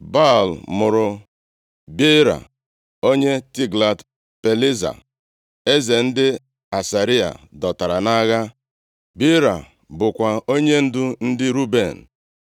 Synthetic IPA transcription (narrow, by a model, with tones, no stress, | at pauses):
ba˦˨lmʊ˨ɾʊ˨ | bi˦ɾa̰˨ | o˦ɲe˦ti˦ɡla˨t | pe˨li˦za̰˨ | e˦ze˨n̩˦dɪ˦ | a˨sa˨ɾi˦a̰˨dɔ˨ta˨ɾa˨na˦ɣa˦ | bi˦ɾa̰˨ | bʊ˨kʷa˨o˦ɲe˦n̩˦dʊ˦n̩˦dɪ˦ɾu˦be˨n̩˨